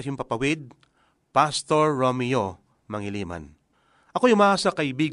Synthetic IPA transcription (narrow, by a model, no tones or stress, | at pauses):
ʃʊmpɐpɐwɪd̪̚ | past̪oɹːomijo | mɐŋɪliːma̰n | ʔɐko̞jʊmaːʔaːsɐkɐʔɪbiːɡ